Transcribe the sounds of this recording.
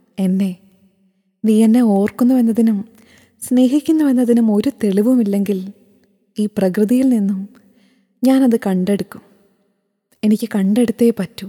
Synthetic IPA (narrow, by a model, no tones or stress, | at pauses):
e̞nːe̞ | niːɐnːeo̞ːrkunːuʋenːɐðinum | sne̞ːɦikʲːunːuʋe̞nːɐðinumo̞ɾut̪e̞ɭiʋumilːe̞ŋɡil | iːprɐkrɨðijilninːum | ɲaːnɐðɨkɐɳɖe̞ɽukːum | e̞nikʲːɨkɐɳɖe̞ɽut̪ːeːpɐtːu